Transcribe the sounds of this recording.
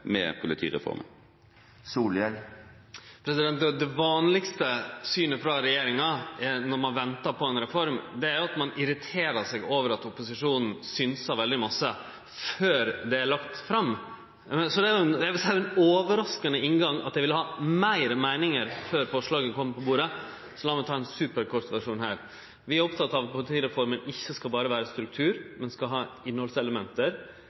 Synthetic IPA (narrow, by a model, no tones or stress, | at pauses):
mɛ̰pʰʊlɪt̪ʰḭːɾɛ̰fɔ̰ɾmə̰ | suːlɛl | pʰɾɛsɪd̪ɛnt̪ɔd̪ɛʋɑːnlɪkst̪əsyːnəfɾɑɾɛjeːɾɪŋɑnɔɾmɑnʋɛnt̪ɑɾpʰɔɛnɾɛfɔɾmd̪ɛæɾjʊɑt̪mɑnɪɾɪt̪ʰeːɾɑɾsɛɡoːʋəɾɑt̪ʊpʊsɪʂuːnn̩synsɑɾʋɛld̪ɪmɑsːə | føːɾd̪ɛæɭɑkt̪fɾɑmː | sɔd̪ɛæjʊɛnɛædæɾʊɛnoːʋəɾɑskənəɪnɡɑŋɑ̰t̪̚d̪æɪʋɪlːəhɑːmæɪɾmæɪnɪŋəɾføːɾfɔʂɭɑːɡənkʰɔmːpɔbuːɾə | sɔlɑːmɛt̪ʰɑːɛnsʉːpəɾkʰɔɾt̪ʋæʂuːnhæ̰ːɾ | ʋɪæɾɔpt̪ʰɑt̪ːɑʋpʊt̪ʰiːɾɛfɔɾmənɪçːəskɑlbɑːɾəʋæːɾəst̪ɾʉk̚t̪ʰʉːɾmɛnskɑlɦɑːɪnːhɔlsɛləmɛnt̪əɾ